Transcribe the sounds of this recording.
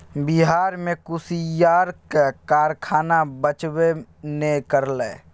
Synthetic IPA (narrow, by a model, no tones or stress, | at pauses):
biɦaːɾmekusijaːɾkekaːɾkʰaːnabət͡ʃbenekəɾlɛː